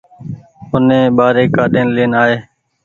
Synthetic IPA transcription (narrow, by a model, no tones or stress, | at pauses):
ʊnẽːɓaːɾeːkaːɗeːnleːnaːɦeː